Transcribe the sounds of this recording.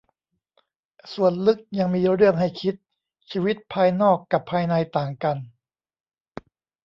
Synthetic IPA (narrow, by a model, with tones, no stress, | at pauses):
su˨˩ənlɯ˦˥k̚ja˧ŋmiː˧ɾɯ˥˩əŋɦa˥˩jkʰi˦˥t̪̚ | t͡ɕʰiː˧wi˦˥t̪̚pʰaː˧jnɔː˥˩kːa˨˩pʰːaː˧jna˧jt̪aː˨˩ŋka˧n